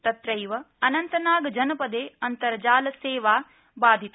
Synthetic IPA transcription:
t̪ɐt̪ɾɐjʋɐ | ɐnɐnt̪ɐnaːɡɐd͡ʒɐnɐpɐd̪eːɐnt̪ɐɾɐd͡ʒaːlɐseːʋaː | baːd̪ʱit̪

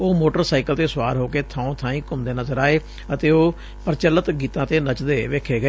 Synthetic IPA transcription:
oːmoːʈəɾsaːikəlt̪eːsʊwaːɾɦoːkeːt̪ʰãːõːt̪ʰãːĩːkʊmd̪eːnəzəɾaːeː | ət̪eːoː | pəɾt͡ʃəlːət̪ɡiːt̪ãːt̪eːnət͡ʃd̪eːʋeːkʰeːɡəeː

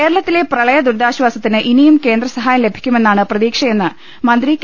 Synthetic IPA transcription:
e̞ːɾɐɭɐt̪ːile̞prɐɭɐjɐd̪uɾd̪aːɕʋaːsɐt̪ːinɨʔinijumke̞ːnd̪rɐsɐɦaːjɐmle̞bʱikʲːume̞nːaːɳɨprɐðiːkʂɐje̞nːɨ | mɐnd̪rik

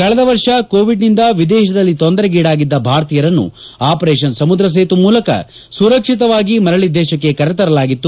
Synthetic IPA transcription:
kɐɭɐd̪ɐʋɐɾʂɐkoːʋiɖnind̪ɐʋid̪ɛːʃɐd̪ɐlːit̪ond̪ɐɾɐɡiːɽaːɡid̪ːɐbʱaːɾt̪ijɐɾɐnːṵ | aːpɐɾeːʃ̬ɐnsɐmud̪ɾɐs̬eːt̪umuːlɐkɐ̰ | suɾɐkʂit̪̬ɐʋaːɡimɐɾɐɭid̪ːɛːʃɐkːe̞kɐɾɛt̪ɐɾɐlaːɡit̪ːu

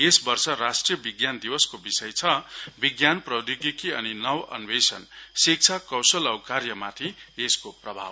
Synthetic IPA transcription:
esbʌrsʌɾasʈrijʌbiɡjand̪iwʌskobisʌjt͡sʰʌbiɡjanprʌd̪ikikiʌninʌwʌ̰nbesʌ̰nsik̚t͡sʰakʌwsʌlʌwkarjʌmat̪ʰieskoprʌbʱa̰b

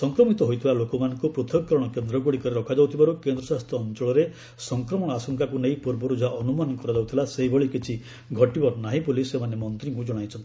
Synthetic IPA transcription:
sɔŋkɾɔmit̪ɔɦojt̪ʰibalokɔmanɔŋkupɾot̪ʰɔɡkɔɾɔɽ̃ɔkend̪ɾɔɡoɽikɔɾiɾɔkʰad͡ʒawt̪ʰibaɾukend̪ɾɔsast̪ɾɔːnt͡ʃɔɭɔɾe | sɔŋkɾɔmɔɽ̃ɔasɔŋkakunejpuɾbɔɾud͡ʒʱaʔɔnumanɔkɔɾɔd͡ʒawt̪ʰilaseɦibʱeɭikit͡ʃʰi | ɡʱɔʈibɔɾnaɦĩpulisemanemɔnt̪ɾiŋkud͡ʒɔɽ̃ajt͡ʃʰɔnt̪i

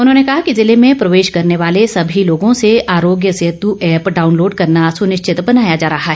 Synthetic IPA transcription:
ʊnɦõːnekɐɦakizɪlemẽpɾɐʋeːʃkɐɾneʋaːlesɐbʱiloːɡõseaːɾoːɡjəseɦət̪uʔɛːpɖaːʊnloːɖkɐɾnasʊnɪʃt͡ʃʰɪt̪bɐnaːjad͡ʒaːɾɐɦaɦɛː

